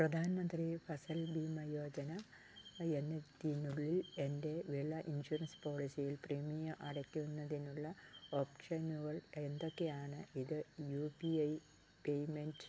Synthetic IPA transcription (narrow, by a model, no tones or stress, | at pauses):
prɐd̪ʱaːnɐmɐnd̪rifɐsɐlbiːmɐjo̞ːd͡ʑɐnɐ | enːet̪ːinuɭːile̞nde̞ʋiɭɐʔinɕuɾɐnspo̞ːɭisijilprimijɐʔɐɽɐkʲːunːɐðinuɭːɐoːpʂɐjnuɣɐɭend̪o̞kːe̞jaːɳɨʔiðɨjuːpiɐj | pejment